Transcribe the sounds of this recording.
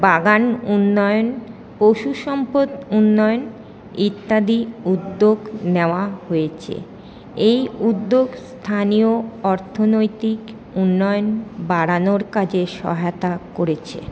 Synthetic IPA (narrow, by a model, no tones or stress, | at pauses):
baɡanunːɔeon | poʃuʃɔmpod̪unːɔeon | it̪ːad̪iud̪ːoɡneoaɦoet͡ɕʰḛ | ejud̪ːoɡst̪ʰanioɔɾt̪ʰonojt̪ik | unːɔjonbaɾanoɾkad͡ʑeʃɔ̰ɦat̪akoɾet͡ɕʰḛ